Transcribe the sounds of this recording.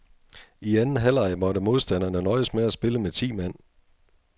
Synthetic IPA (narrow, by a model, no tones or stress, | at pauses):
iænn̩ɦæl̰ɑ̈ɪmɒ̽d̥əmo̝ð̞ˠsd̥æn̰ɐnənɒ̽ɪəsmeæsb̥e̝ləmet͡sʰḭːmæn̰